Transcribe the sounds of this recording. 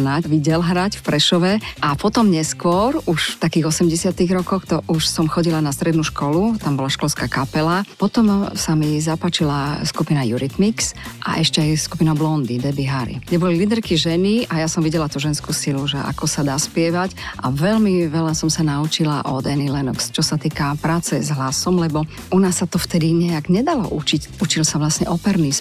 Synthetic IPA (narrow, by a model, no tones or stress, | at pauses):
nacʋiɟɛlɦɾacfpɾɛʃɔʋɛʔapɔt̪ɔmɲɛskʊɔɾuʃft̪akiːɣɔsɛmɟɛsɪat̪iɣɾɔkɔxt̪ɔʔuʃsɔmxɔɟilanast̪ɾɛd̪nuʃkɔlut̪ambɔlaʃkɔlskakapɛlapɔt̪ɔmsamizapat͡ʃilaskupinajuɾit̪miksʔa̰ʔɛʃcɛajskupinablɔnd̪id̪ɛbiɦaɾḭɡɟɛbɔlilid̪ɛɾkiʒɛniajasɔmʋiɟɛlat̪uːʒɛnskuːsiluʒɛʔa̰kɔsad̪aːspɪɛʋacʔaʋɛlmiʋɛlasɔmsanaut͡ʃilaʔɔd̪ɛnilɛnṵkst͡ʃɔsat̪iːkapɾaːt͡sɛzɦlasɔmlɛbɔ | ʔunasːat̪ɔft̪ɛd̪iɲɛaɡɲɛd̪alɔ̰ʔut͡ʃic | ut͡ʃilsaʋlasɲɛʔɔpɛɾnis